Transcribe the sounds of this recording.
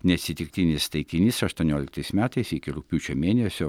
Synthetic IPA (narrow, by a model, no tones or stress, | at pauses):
nʲɛɐt̪sʲɪt̪ʲɪkt̪ʲɪnʲɪst̪ɐɪt̪ʲɪnʲɪsɐʃt̪uɔnʲoːlʲɪk̚t̪ɐɪsmʲæːt̪ɐɪsɪkʲɪɾʊk̚ʲpʲuːt͡ʃʲomʲeːnʲɛsʲo